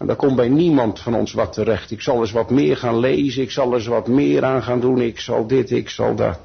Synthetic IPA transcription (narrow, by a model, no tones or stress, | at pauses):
ɛ̰ndɑkɔmbɛjnimɑntfɑnɔ̰nsʋɑtʰərɛχtɪksɑlˠəs̬ʋɑtmɪːɹχaːnlejzənɪksɑlˠɛs̬ʋɑtmɪːɾʔaːnχaːndunɪksɑ̰lˠdɪtɪksɑ̰lˠdɑ̰t